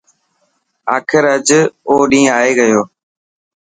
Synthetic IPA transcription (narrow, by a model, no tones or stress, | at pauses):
aːkʰɪɾəd͡ʒoːɗĩːaːeːɡəjoː